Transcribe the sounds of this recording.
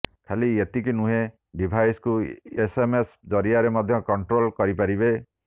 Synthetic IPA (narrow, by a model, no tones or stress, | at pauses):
kʰaliet̪ikinuɦe | ɖibʱajskuesemes | d͡ʒɔɾiaɾemɔd̪ʱjɔkɔɳʈɾolkɔɾipaɾibe